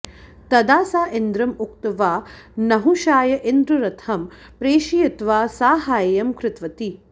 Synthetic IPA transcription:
t̪ɐd̪aːsaːʔend̪ɾɐmuk̚t̪ɐʋaːnɐɦuʃaːjɐʔend̪ɾɐɾɐt̪ʰɐm | pɾeːʃijɐt̪ʋaːsaːɦaːjɐjɐmkɾɪt̪ʋɐt̪i

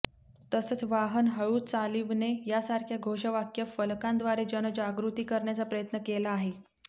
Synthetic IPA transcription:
t̪əsət͡sʋaɦənɦəɭuːt͡saliʋnejasaɾkʰjaɡʱoɕəʋakjəfəlkãnd̪ʋaɾed͡ʑənəd͡ʑaɡɾut̪iːkəɾɳjat͡sapɾəjət̪nəkelaːɦe

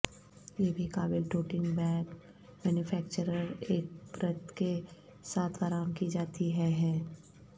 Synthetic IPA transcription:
jebʱikaːbɪlʈoːʈɪ̃ŋɡbɛ̃ːk | mɛːnjʊfʰɛːk̚t͡ʃəɾəɾeːk̚pɾət̪ke | saːt̪ʰaːɾaːmkid͡ʒaːt̪iɦɛɦɛː

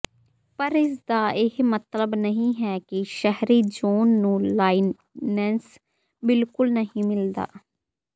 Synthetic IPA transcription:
pəɾɪsd̪aːʔɪhmət̪ləbnəɦĩːɦɛːkɪʃɛɦɾiːd͡ʒoːnːũːlaːi | nɛːns | bɪlkʊlnəɦĩːmɪld̪a̰ː

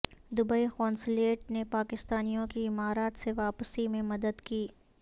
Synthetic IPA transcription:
d̪ʊbəixɔ̃ːnsleːʈ̚nepaːkɪst̪aːnijõkiɪmaːɾaːt̪seʋaːpsimẽmɐd̪əd̪kiː

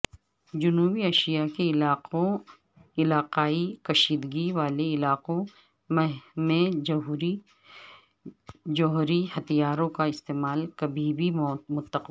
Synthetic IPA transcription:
d͡ʒʊnuːbiɐʃijakelaːo | ɪlaːqaːikɐʃiːd̪ɡiʋaːleɪlaːqõ | memẽd͡ʒɦɾi | d͡ʒɔːɦɾihɐt̪ijaːɾõkaɪst̪eːmaːlkɐbʱibʱimʊt̪ːəq

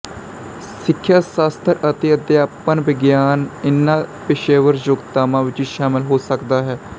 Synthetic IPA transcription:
sɪkʰːjaːsaːst̪ʰəɾət̪eːəd̪jaːpənʋɪɡjaːnɪnːãːpɪʃeːʋəɾd͡ʒoːɡt̪aːmãːʋɪt͡ʃiːʃaːmɪlɦoːsəkd̪aːɦɛː

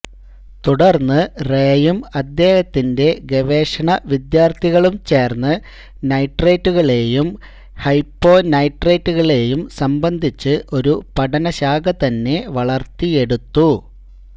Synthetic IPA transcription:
t̪uɽɐrnːɨreːjumɐd̪ːe̞ːhɐt̪ːinde̞ɡeʋe̞ːʂɐɳɐʋid̪jaːrt̪ʰiɣɐɭumt͡ɕe̞ːrnːɨ | nɐjʈːreːtːuɣɐɭe̞ːjum | hɐjpːo̞ːnɐjʈreːtːuɣɐɭe̞ːjumsɐmbɐnd̪ʱit͡ɕːɨʔo̞ɾupɐɽɐnɐɕaːɡɐt̪ɐnːe̞ʋɐɭɐrt̪ːie̞ɽut̪ːu

